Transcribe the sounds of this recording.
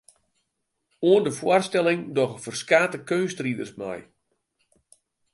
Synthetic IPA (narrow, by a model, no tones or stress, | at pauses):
oəndəfwoərstɛlɪŋdɔxəfərskaːtəkønstridərsma̰j